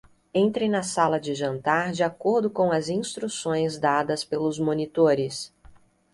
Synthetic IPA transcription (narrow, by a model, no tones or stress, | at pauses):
ẽnt̪ɾẽjnɐsalɐd͡ʒɪʒɐ̃nt̪aɾd͡ʒɪakoɾd̪ʊkõw̃ɐzĩst̪ɾusõj̃zd̪ad̪ɐspelʊzmõnit̪oɾɪs